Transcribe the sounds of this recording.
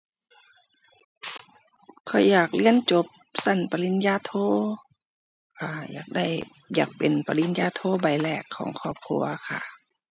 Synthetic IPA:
kʰɔ˧˩jjaː˨˩k̚li˧˥˨ənt͡ɕo˧˦p̚sa˧˩npa˧li˧˥˩njaː˧˥t̪ʰoː˧˥ | ʔaː˧˩ja̰ː˨˩k̚da˧˩j | jaː˨˩k̚pe˨npa˧li˧˥njaː˧˥t̪ʰoː˧˦ba˨˩jlɛː˧˩kʰːɔ̰ː˨˦ŋkʰɔː˧˩p̚kʰṵ˧ɐkʰa̰˧˩

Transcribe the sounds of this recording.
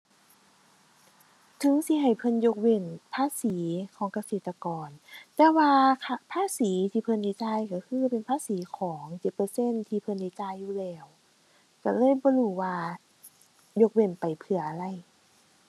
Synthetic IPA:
t̪ʰɯ˨˦ŋsi˧˦ɦa˨˩jpʰɤ˧˥˨njo˧k̚we˧˩npʰaː˧˥˨siː˩˦kʰɔː˨˦ŋka˧seː˧˨˩t̪ːa˧kɔː˨˧nt̪ɛː˧waː˧a˧pʰaː˧˥˨siː˩˦t̪ʰiː˧pʰɤ˧˨nda˧˩t͡ɕaː˧˩˨jka˧˩kʰɯː˧˥˨pe˨npʰaː˧˥˨siː˨˦kʰɔː˩˦ŋt͡ɕe˨˩t̪̚pɤː˧se˧˥˨nt̪ʰiː˧pʰɤ˧˨nda˧˩t͡ɕaː˧˥˨jːuː˧˩lɛː˧˩w | ka˧˩lɤː˧˥˨jbɔː˧luː˧˩waː˧ | jo˧k̚we˧˩npa˨˩jpʰɯ˧˩ɐʔa˧˩ɾa˧˩˨j

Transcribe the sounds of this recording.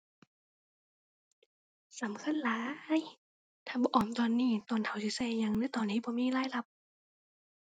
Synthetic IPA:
sa˨˦mkʰa˧˥˨nlaː˨˦j | t̪ʰaː˧˩bɔː˧˦ʔɔː˨˩mt̪ɔː˧˨nːiː˧˥˩t̪ɔː˧˨nt̪ʰa˨˩˦wsi˧˩sɛː˧˩ɲa˧˨ŋlɯː˧˥˦t̪ɔː˧nːiː˧˥˩bɔː˧˦miː˧˥˨laː˧˥˨jla˧p̚

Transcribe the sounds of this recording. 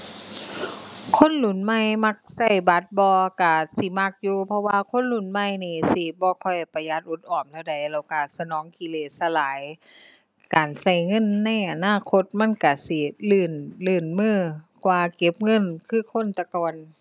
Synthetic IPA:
kʰo˧˥˨nlu˨˩˨nma˧˨jma˧k̚sa˧˩˨jba˧˦t̪̚bɔː˧ka˧˩si˧˦ma˧˩k̚juː˧pʰɔ˧waː˧kʰo˧˥˨nlu˧˩˨nma˧˨jniː˧˩si˧˦bɔː˧˦kʰɔ˧˩jpa˧ja˧˦t̪̚ʔu˧˦t̪̚ʔɔː˨˩mt̪ʰa˧˩wda˨˩jlɛ˧˩wka˧˩sa˧nɔː˨˧˦ŋki˧˨leː˧˩t̪̚sa˧˨laː˨˦j | kaː˨nsa˧˩jŋɤ˧˥˨nːa˧˥˨jʔa˨naː˧˥˨kʰo˧˥t̪̚ma˧˥˨nka˧˩si˧˩lɯː˧˩nlɯː˧˩˨nmɯː˧˥˩kwaː˧ke˧˥p̚ŋɤ˧˥˨nkʰɯː˧˩˨kʰo˧˥˨nt̪a˧kɔː˧˨n

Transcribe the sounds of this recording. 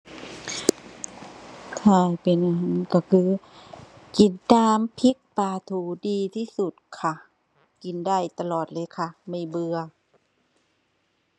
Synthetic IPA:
t̪ʰaː˧˩jpe˨nʔa˧ɦaː˧˩˦nka˧˩kʰɯː˧˦ | ki˨˩ndaː˧˩mpʰi˧˦k̚paː˧˩t̪ʰuː˨˩diː˧t̪ʰiː˧˩su˨˩t̪̚kʰa˧˩ | ki˨˩ndaː˧˩˨jt̪a˧lɔː˨˩t̪̚lɤː˧˨jkʰa˧˩ma˧˩jbɯ˧ɐ

